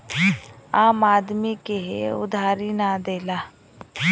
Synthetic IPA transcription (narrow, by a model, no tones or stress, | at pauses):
aːmaːd̪mikeɦḛʊ̰d̪ʱaːɾinad̪eːlaː